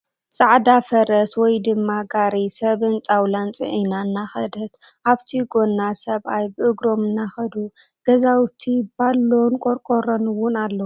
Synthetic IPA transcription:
sʼaʕd̪afɐɾɐswɔjd̪ɨmːaɡaɾisɐβɨnt͡sʼawlant͡sʼɨ̰ʕinanːaxɐd̪ɐt̪ʔaβt̪ʰiɡo̞nːasɐβʔajbɨʔɨɡɾo̞mɨnːaxɐd̪u | ɡ̥ɐzawt̪ʰibalːonkʼoɾkʼoɾɐnɨwʊnalːɐw

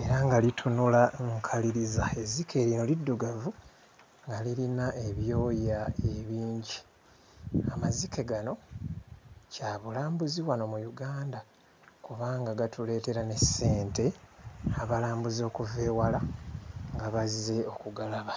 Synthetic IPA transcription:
e̞ɾaŋɡalitʰunulaŋkʰaliɾizae̞zikʰe̞ːɾino̞lidːuɡavu | ŋɡalilinaʔe̞βjo̞ːjae̞βiːɲɟi | amazikeɡano̞ | caβulaːmbuziwano̞mujuɡaːnda | kuβaːŋɡaɡatule̞ːte̞ɾane̞se̞ːnte̞aβalaːmbuzo̞ːkuve̞ːwalaŋɡaβaze̞o̞kuɡalaβa

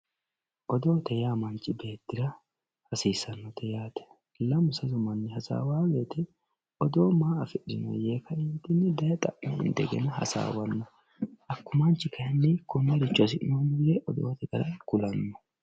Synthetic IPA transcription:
ʔɔd̪o̞ːt̪ɛjaːmɐnt͡ʃʼːɪbe̞ːt̪ːɪɾɐ | hɐsiːsɐnːɔt̪ʰɛjaːt̪ɛ̥ | lɐmʊsɐzʊmɐnːɪhɐsa̰ːwaːweːt̪ɛ | ɔd̪o̞ːmaːɐfɛɗɪnɔ̰jeːkɐɪnt̪ɪnːɪd̪ɐjɐt̪ʼɐʔnɛɪ̰nd̪ɛ̰ɡɛ̰nɐhɐ̰sa̰ːwɐnːɔ | ʔɐkːʊmɐnt͡ʃɪkɐjɐnːikʊnːɐɾɪt͡ʃːʊɐs̬ɪʔnoːnɪjɛʔɔd̪o̰ːt̪ɛɡɐɾɐkʊlɐnːɔ̥

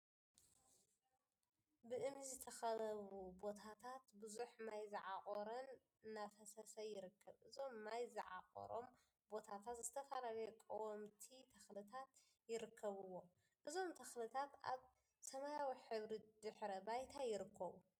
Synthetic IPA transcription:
bɨʔɨmizɨt̪ʰɐxɐlɐβubo̞t̪ʰat̪ʰat̪bɨzuħmajzɨʕaχʼoɾɐnː | afɐsɐsɐjɪɾɨkːɐβʔɨzo̞mːajzɨʕa̰χʼo̰ɾo̞̰m | bo̞t̪ʰat̪ʰat̪zɨt̪ʰɐfalalɐjɛkʼɐwɔmt̪ʰit̪ʰɐxlɨt̪ʰat̪ | jɪɾɨkʰːɐβɨwːo̞ | ʔɨzo̞mt̪ʰɐxlɨt̪ʰat̪a̰β | sɐmajawiħɨβɾid̪ɨħɾɐbajt̪ʰajɪɾɨkʰːɐβu

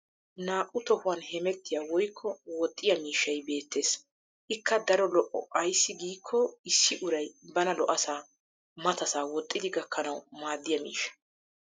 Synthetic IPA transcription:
naːʔʼʊt̪ɔhʊwɐnhɛmɛt̪ːɪjaːwɔjkʰːɔwɔt̪ʼːɪjɐmiːʃːɐjbe̞ːt̪ːe̞ːs | ʔɪkʰːɐd̪ɐɾɔlɔʔːɔ̰ɐjsːɪɡiːkʰːɔɪsːɪʔʊɾɐjbɐnɐlɔʔɐsaː | mɐt̪ɐsaːwɔt̪ʼːɪd̪ɪɡɐkʰːɐnɐwmaːd̪ːɪjɐmḭːʃːɐ̥

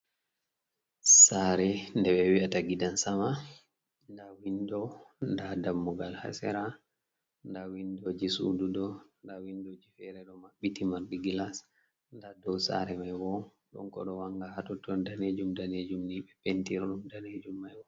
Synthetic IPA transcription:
saɾɛndɛɓɛwiataɡidansama | ndawindɔndadamːuɡalha̰sɛ̰ɾa | ndawindɔd͡ʒisṵdudɔndawindɔd͡ʒifɛɾɛɗɔmaɓːitimaɾdiɡilas | ndadɔwsa̰ɾɛmajwɔ | ɗɔ̰nkɔɗɔwaŋɡahatɔtɔndaned͡ʒumdaned͡ʒumniɓɛpentiɾɔɗumdaned͡ʒumːajwɔ

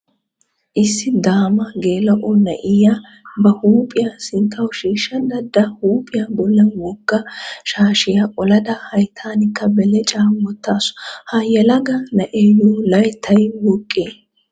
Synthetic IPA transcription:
ʔɪsːɪd̪aːmɐɡeːlɐʔɔnɐʔɪja | bɐhuːpʼɪjasɪnt̪ʰːɐwʃiːʃːɐd̪ɐd̪ɐhuːpʼɪjabɔlːɛwɔɡːɐʃaːʃɪjɐʔɔlɐd̪ɐhɐjt̪ʰaːnɪkːɐbɛlɛt͡ʃʼaːmːɔt̪ːaːsɔ̥hɐjɛlɐɡɐnɐʔeːjoːlɐjt̪ʰːɐjwɔkʼːeː

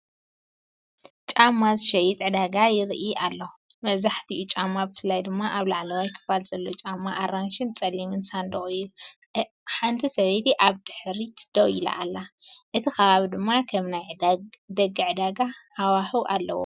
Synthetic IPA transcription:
t͡ʃʼamːazɨʃɐjit̪ʼʕɨd̪aɡajɪɾʔiʔalːow | mɐβzaħt̪ʰiʔut͡ʃʼamːabɨfɨlːajd̪ɨmːaʔaβlaʕlɐwajkʰɨ̥falzɐlːot͡ʃʼamːaʔːɾanʃɪnt͡sʼɐlːimɨnsand̪ɐχʼɨju | ħant̪ʰisɐβejt̪iʔaβd̪ɨħɾit̪ʰd̪̥ɐwjila̰ʔːlːaʔɨt̪ʰikɐβaβid̪ɨmːakʰɐmnajʕd̪d̪ɐɡɨʕɨd̪aɡahawaħuʔa̰lːɐ̰wo̰

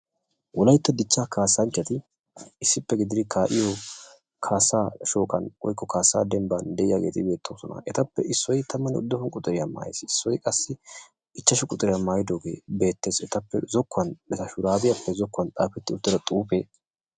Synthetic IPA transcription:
wʔɔlɐjt̪ːɐd̪ɪt͡ʃːaːkaːsːɐnt͡ʃːɐt̪ɪ | ɪsːɪpːɛɡɪd̪ɪd̪ɪkʰaːʔɪjo | kʰaːsaːʃo̞ːkʼɐ̰nwɔ̰jkːɔkaːsaːd̪ɛmband̪ɛʔɪjaːɡe̞ːt̪ɪbe̞ːt̪ːoːsɔnɐ̰ʔɛt̪ɐpːɛ̰ʔɪsːɔjt̪ʰɐmːɐnɪʊ̰d̪ːɔfɔnkʼʊt̪ʼːɪɾɪjama̰ːjḛsɪsːɔjkʼɐsːɪ | ɪt͡ʃːɐʃʊkʼʊt̪ʼɪɾɪjamaːjɪd̪oːɡe̞̰ːbe̞ːt̪ːe̞ːsɛt̪ɐpːɛ̰zɔkːʊɐnbɛt̪ɐʃʊɾaːbɪjɐpːɛzɔkːɐnt̪ʼa̰ːfɛt̪ːɪʊd̪ːɛd̪ɐt̪ʼuːpeː

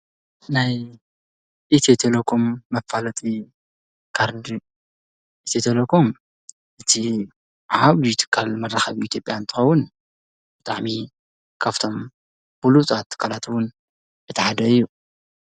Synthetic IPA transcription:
naj | ʔit̪ʰet̪ʰelokʰomːɐfːalɐt̪ʼi | kʰaɾd̪i | ʔit̪ʰet̪ʰelokʰom | ʔɨt̪ʰi | ʕaβijt̪ʰɨ̥kʰːalmɐrːaxɐβit̪ʰjo̞pʼjant̪ʰɨ̥xɐwːʊn | bɨt̪ʼaʕmi | kʰaβt̪ʰo̞m | b̥ulut͡sʼat̪ʰːɨ̥kʰːalat̪wʊn | ɨt̪ʰɐħad̪ɐɨjːu

